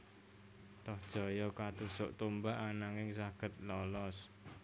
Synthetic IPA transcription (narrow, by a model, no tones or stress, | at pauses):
t̪ɔhd̥ʒ̥ɔ̤jɔkat̪usʊ̰ʔt̪umbaʔanaŋɪŋsaɡ̥ə̤t̪̚lɔlɔs